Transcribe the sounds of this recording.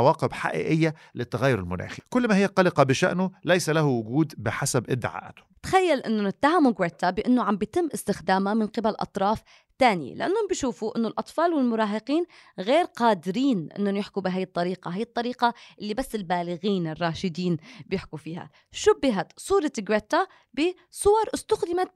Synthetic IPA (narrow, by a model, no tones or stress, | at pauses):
waːqɪbħa̰ʔḭːʔɪjːa | lɪt̪ːaɣajːʊɾɪ̰lmʊ̰nʔa̰ːxikʊlːmahɪjːaqɑlɪqɑbɪʃa̰ʔnʊlajsalahʊwʊɡuːd̪bɪħasabʔɪd̪ːɪ̰ʕa̰ːʔat̪ʊ̥t̪xajːalʔɪnːʊnɪt̪ːahamʊɡwet̪ːabɪʔɪnːʊʕambjt̪ɪmːʔɪst̪ɪxd̪aːmamɪnqɪbalʔɑ̰t̪ˤɾˤɑːf | t̪aːnɪjḛlɪʔanːhʊmbɪʃuːfuʔɪnːʊlʔɑt̪ˤfɑːlwɪlmʊɾˤɑːɦɪqiːnɣeːɾqɑːd̪ɪɾiːnʔɪ̰nːnjɪħkubɪɦaːjːɨt̪ˤːɑɾiːqɑɦaːjːɪt̪ˤːɑɾiːqɑʔɪlːibasːɪlbaːlɪɣiːnɪrˤːɑːʃɪd̪iːnbjɪħkufiːha̰ | ʃʊbːɪɦat̪sˤuːɾˤɑɡwet̪ːa | bɪ | sˤʊwɑɾˤʔɪst̪ʊxd̪ɪma